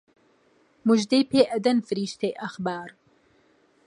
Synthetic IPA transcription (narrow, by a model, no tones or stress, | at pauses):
muʒd̪ejpeːʔɐd̪ɐnfɨɾiːʃt̪ʰejʔɐxbaːɾ